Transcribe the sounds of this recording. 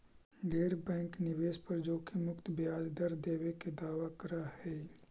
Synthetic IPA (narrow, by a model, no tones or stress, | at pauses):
ɡeːɾbɛ̃ːŋknɪʋeːʃpɐɾd͡ʒoːkemʊkt̪bjaːd͡ʒd̪əɾd̪eːweked̪aːʋakəɾahɛː